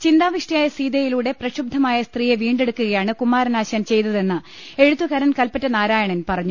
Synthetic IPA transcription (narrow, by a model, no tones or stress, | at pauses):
t͡ɕind̪aːʋiʂʈijaːjɐsiːd̪ɐjiluːɽe̞prɐɕub̚d̪ʱːɐmaːjɐst̪riːjeʋiːɳɖe̞ɽukːuɣɐjaːɳɨkumːaːɾɐnaːɕɐjɐnt͡ɕe̞jt̪ɐðe̞nːɨ | e̞ɻut̪ːukɐɾɐnkɐlpɐtːɐnaːɾaːjɐɳɐnpɐrɐɲːu